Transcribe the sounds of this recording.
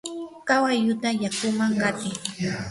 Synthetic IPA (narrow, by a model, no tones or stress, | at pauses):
kawajʎʊt̪ajakʊmaŋkat̪ɪŋ